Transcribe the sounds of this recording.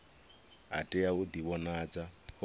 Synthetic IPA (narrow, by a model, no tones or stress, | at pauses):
a̰tʼɛaud̪iβɔnad͡zapʰ